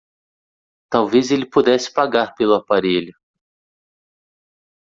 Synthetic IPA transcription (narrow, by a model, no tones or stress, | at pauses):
t̪awvezelɪpud̪ɛsɪ̥paɡaɾpelʊapaɾeʎʊ